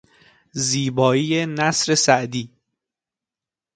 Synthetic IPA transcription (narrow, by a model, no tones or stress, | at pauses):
ziːbɒːiːjenæsɾe̞sæʔd̪iː